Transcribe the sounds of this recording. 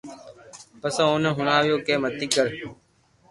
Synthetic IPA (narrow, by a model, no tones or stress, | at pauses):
pəsãːoːnẽɦʊɳaːʋɪjoːkeːmət̪iːkəɾ